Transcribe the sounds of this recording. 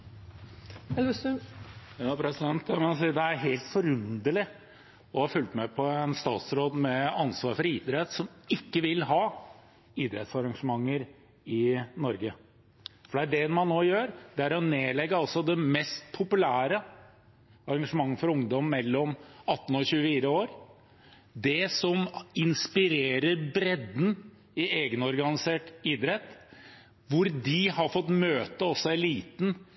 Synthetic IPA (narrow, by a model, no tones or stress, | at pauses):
ɑpʰɾɛsɪd̪ɛnt̪mɑnsiːd̪ɛæɾɦeːlt̪fɔɾʉnd̪əlɪ | ɔhɑɾfʉlt̪mɛpʰɔɛnst̪ɑ̰ːt̪sɾoːd̪mɛɑnsʋɑːɾfɔɾiːd̪ɾɛt̪sɔmɪkːəʋɪlɦɑː | iːd̪ɾɛt̪sɑɾɑŋʂəmɑŋːəɾ | ɪnɔɾɡə | fɔɖɛæɖɛmɑnːoːjøːɾd̪ɛæɾɔneːlɛɡːəɑlsɔd̪ɛmɛst̪pʰʊpʉlæːɾə | ɑɾɑŋʂəmɑŋːəfɔɾʊŋd̪ɔmːɛlːɔmɑt̪ːn̩ɔçʉːəfiːɾəoːɾ | d̪ɛsɔmɪnspɪɾeːɾəɾbɾɛd̪n̩ | ɪeːɡənɔɾɡɑnɪseːʈiːd̪ɾɛt̪ː | ʋʊɾd̪ɪhɑɾfɔt̪ːmøːt̪əɔsːɔæɪliːt̪n̩